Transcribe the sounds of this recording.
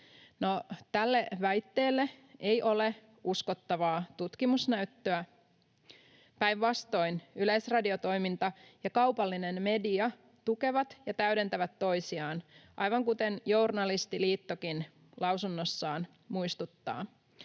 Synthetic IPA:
not̪ælːeʋæjt̪ːe̞ːlːeʔejʔo̞le̞ | uskot̪ːɑʋɑːt̪ut̪kimusnæyt̪ːøæ | pæjʋʋɑst̪o̞inylejsrɑdiot̪o̞jmint̪ɑjɑkɑwpɑlːinenme̞diɑ | t̪uke̞ʋɑt̪jɑt̪æyɾe̞nt̪æʋæt̪ːo̞isiɑːnʔɑ̰jʋɑŋkut̪enjournɑlist̪iliːt̪ːokin | lɑwsunːosːɑːn | muist̪ut̪ːɑ̰ː

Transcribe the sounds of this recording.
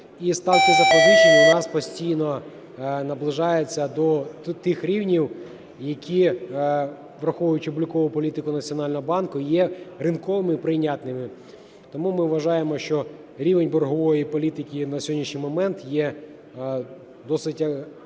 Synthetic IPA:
ist̪ɑwkɪzɐpɔɾut͡ʃenʲɐnɑspɔsʲtʲijnɔ | nɐblˠɪʒɑjet͡sʲːɐd̪ɔt̪ɪxɾʲiwnʲiw | jɐkʲi | ʋɾɐxɔʋʊjʊt͡ʃɪɔblʲʊkɔʋʊpɔlʲit̪ɪkʊnɐt͡sʲiɔnɑlʲnɔɦɔbɑnkʊjɛɾɪnkɔʋɪmɪpɾɪjnʲat̪nɪmɪ | t̪ɔmumɪʋɐʒɑjemɔʃt͡ʃɔ | ɾʲiʋenʲbɔrɦɔʋɔjipɔlʲit̪ɪkʲinɐsʲɔɦɔdʲnʲiʃnʲijmɔmɛnt̪jɛ | d̪ɔsɪtʲ

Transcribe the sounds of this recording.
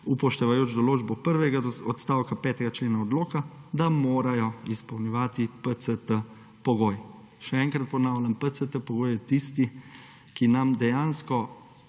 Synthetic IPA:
upɔʃt̪ɛʋajoːt͡ʃd̪ɔloːd͡ʒbɔpəɾʋɛɡaɔt̪st̪aːwkapɛːt̪ɛɡat͡ʃleːnaɔd̪loːkad̪amoːɾajɔispɔwnʲɛʋaːt̪ipət̪sət̪ə | pɔɡoːj | ʃɛɛŋkɾat̪̚pɔnaːwlʲampət̪sət̪əpɔɡoːjɛt̪ist̪i | kinamd̪ɛjaːnskɔ

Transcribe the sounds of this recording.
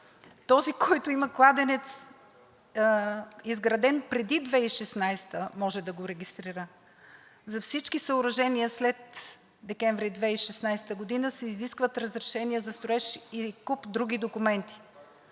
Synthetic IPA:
t̪ɔzikɔjt̪ʊimɐklˠad̪ɛnɛt̪s | izɡɾɐd̪ɛnpɾɛd̪id̪vɛiʃɛsnajst̪əmɔʒɛd̪ɐɡoɾɛɡʲist̪ɾiɾə | zɐfsit͡ʃkisɐʊɾɐʒɛniəslɛt̪̚ | d̪ɛkɛɱvɾid̪vɛiʃɛsnajst̪əɡod̪inəsɛiziskvət̪ɾəzɾɛʃɛniəzɐst̪ɾʊɛʃikupd̪ɾuɡ̟id̪okumɛnt̪i̥

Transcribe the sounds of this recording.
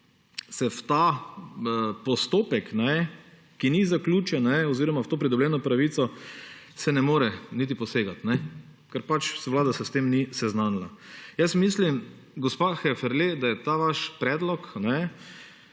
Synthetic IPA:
sɛft̪a | pɔst̪oːpɛknɛ | kinizakluːt͡ʃɛnnɛɔziːɾɔmawt̪oːpɾid̪ɔblʲɛːnɔpɾaʋiːt̪sɔ | sɛnɛmoːɾɛnit̪̬ipɔseːɡat̪nɛkɛɾpat͡ʃsʋlaːd̪asɛst̪emnisɛznaːnlajɛsmislim | ɡɔspaxɛfɛɾled̪ajɛt̪aʋaʃpɾɛːd̪lɔknɛ

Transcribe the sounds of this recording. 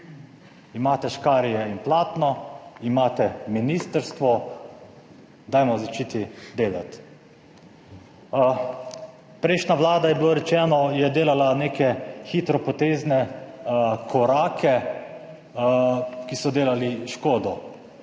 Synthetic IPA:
imaːt̪ɛʃkaːɾijɛinplaːt̪nɔimaːt̪ɛminiːst̪əɾst̪ʋɔ | d̪ajmɔzat͡ʃiːt̪id̪eːla̰t̪ | pɾɛɪʃnʲaʋlaːd̪ajɛbiloɾɛt͡ʃɛːnɔjɛd̪eːlalaneːkɛxit̪ɾɔpɔt̪eːznɛ | kʰɔɾaːkʰɛ | kisɔd̪eːlaliʃkoːd̪ɔ

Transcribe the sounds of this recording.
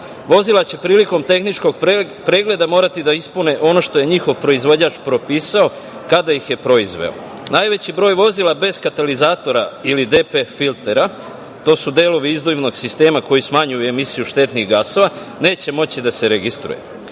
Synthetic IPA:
ʋo̞zilˠat͡ɕe̞pɾiːliko̞mt̪e̞xnit͡ʃko̞ɡ | pɾe̞ːɡle̞d̪amo̞ːɾat̪id̪aispune̞ʔo̞no̞ʃt̪o̞je̞ɲixo̞ʋpɾo̞izʋod͡ʑat͡ʃpɾo̞piːsao̞ | kad̪ajixje̞pɾo̞izʋe̞̰o̰ | najʋe̞t͡ɕibɾo̞ːjʋo̞zilˠabe̞z̥kat̪alizaːt̪o̞ɾailid̪e̞pefilt̪e̞ɾa | t̪o̞ːsud̪e̞ːlo̞ʋiizd̪oiʋno̞ɡsist̪e̞ːmako̞jismaɲujuemisijuʃt̪e̞t̪niɣɡaso̞ʋa | ne̞ːt͡ɕe̞mo̞t͡ɕid̪ase̞ɾeɡist̪ɾṵjḛ

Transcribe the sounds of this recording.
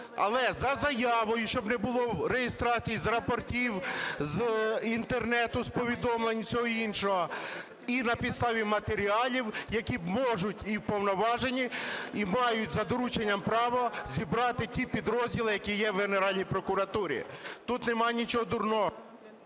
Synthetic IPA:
ɐ̰lˠɛzɐzɐjɑʋɔjʊʃt͡ʃɔbnɛbʊlˠɔwɾejɪst̪ɾɑt͡sʲijizrɐpɔrtʲiwzint̪ernɛt̪ʊspɔʋʲid̪ɔmlˠenʲt͡sʲɔɦɔinʃɔɦɔ | inɐpʲid̪st̪ɑʋʲimɐt̪eɾʲiɑlʲiwjɐkʲimɔʒʊtʲiwpɔwnɔʋɑʒenʲiimɑjʊtʲzɐd̪ɔɾut͡ʃenʲːɐmpɾɑʋɔzʲibɾɑt̪ɪtʲipʲid̪ɾɔzʲdʲilˠɪjɐkʲijɛwɦeneɾɑlʲnʲijpɾɔkʊɾɐt̪uɾʲḭt̪ut̪nɛmɑjnʲit͡ʃɔɦɔd̪ʊrnɔɦɔ

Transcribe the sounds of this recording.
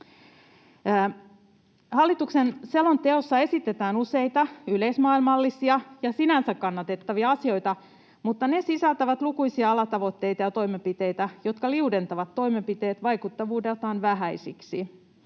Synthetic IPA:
hɑlːit̪uksenselo̞nt̪e̞o̞sːɑe̞sit̪ːe̞t̪æːnuse̞jt̪ɑyleismɑːilmɑlːisiɑjɑsinænsækːɑnːɑt̪e̞t̪ːɑʋiɑɑsio̞jt̪ɑ | mut̪ːɑne̞sisælt̪æʋæt̪lukujsiɑɑlɑt̪ɑʋo̞t̪ːe̞jt̪ɑjɑt̪o̞imempit̪e̞jt̪æjo̞t̪kɑliude̞nt̪ɑʋɑt̪ːo̞imempit̪e̞ːt̪ʋɑjkut̪ːɑʋuːdelt̪ɑːnʋæɦæjsiksi

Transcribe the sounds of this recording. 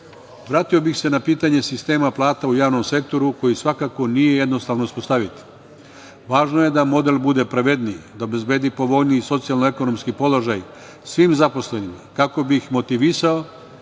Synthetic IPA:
ʋɾaːt̪iobixse̞napiːt̪aɲe̞sist̪e̞ːmaplˠaːt̪aujaːʋno̞mse̞k̚t̪o̞ɾuko̞jisʋakako̞nije̞je̞d̪no̞st̪aːʋnouspo̞st̪aʋit̪i̥ | ʋaːʒno̞je̞d̪amo̞d̪e̞lbud̪e̞pɾaʋe̞d̪nijd̪aobe̞zbe̞ːd̪ipo̞ʋo̞ʎniːiso̞t̪sialnoe̞ko̞no̞mskipo̞loʒaj | sʋimzapo̞sle̞nimakako̞bixmo̞t̪iʋisao

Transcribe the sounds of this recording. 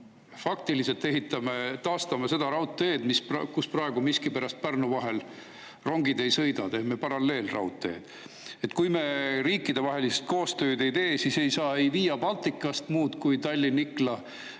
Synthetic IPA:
fɑkt̪iliselt̪ːe̞ɦit̪ːˑɑmet̪ɑːst̪ɑmese̞d̪̥ɑɾɑwt̪ːˑeːd̪̥mispɑkusprɑeɡ̥umiskipæɾɑst̪̚pærnuvɑɦe̞l | ro̞ŋɡid̪e̞jsɤjd̪ɑt̪e̞hme̞pɑɾɑlːe̞ːlrɑ̰wt̪ːˑe̞̰ːd̪̥ | e̞t̪kujme̞riːkːˑid̪̥e̞vɑɦe̞liset̪̚ko̞ːst̪ø̞ːd̪ejt̪e̞ːsise̞jsɑːejviːjɑpɑlt̪ːˑikːˑɑst̪muːt̪kujt̪ɑlʲːiniklɑ

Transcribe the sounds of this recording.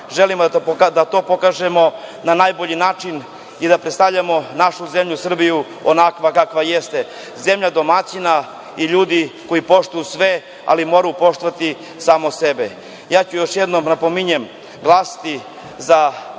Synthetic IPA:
ʒelimod̪at̪o̞ːpo̞kaːʒe̞mo̞nanaːjbo̞ʎinaːt͡ʃin | id̪apɾet̪st̪avʎamo̞naʃuze̞mʎusr̩biju | onakʋakakʋaje̞st̪e | ze̞mʎad̪o̞mat͡ɕina | iʎuːd̪iko̞jipo̞ʃt̪ujusʋe̞ | a̰limo̞ːɾajupo̞ʃt̪oʋat̪i | saːmose̞be | jaːt͡ɕujo̞ʃje̞d̪no̞mnapo̞miɲem | ɡlˠaːsḁt̪i | za

